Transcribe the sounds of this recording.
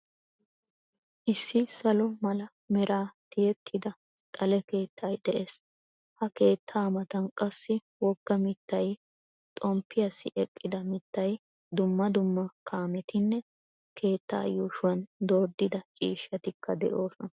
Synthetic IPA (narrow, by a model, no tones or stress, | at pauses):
ʔɪsːɪsɐlɔmɐlɐ | mɛɾʔaːt̪ɪjɛt̪ʰːɪd̪ɐ | t̪ʼɐlɛke̞ːt̪ʰːɐjd̪ɛʔe̞ːs | hɐke̞ːt̪ʰːaːmɐt̪ɐnkʼɐsːɪ | wɔɡ̥ːɐmɪt̪ːɐj | t̪ʼɔmpːɪjɐsːɪʔɛkʼːɪd̪ɐmɪt̪ːɐj | d̪ʊmːɐd̪ʊmːɐkʰaːmɛt̪ɪnːɛ | kʰe̞ːt̪ːa̰ːjuːʃʊwɐnd̪o̞ːd̪ːɪd̪ɐt͡ʃʼḭːʃːɐt̪ɪkʰːɐd̪ɛ̰ʔo̞ːsɔnɐ